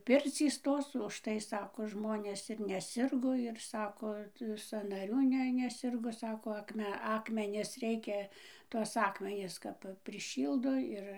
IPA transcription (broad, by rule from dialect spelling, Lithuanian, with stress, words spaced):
ˈpʲɪrʲt͡sʲiːs ˈtoːs ʊʃˈtɐɪ ˈsɑːkoː ˈʒmoːnʲeːs ɪr nʲɛˈsʲɪrɡoː ɪr ˈsɑːkoː sɐnɐˈrʲuː ˈnʲɛ nʲɛˈsʲɪrɡoː ˈsɑːkoː ɐkˈmʲɛ ˈɑːkmʲɛnʲɪs ˈrʲɛɪkʲɛ tuɔs ˈɑːkmʲɛnʲɪs kɐp pʲrʲɪˈʃʲiːlˠdoː ˈɪr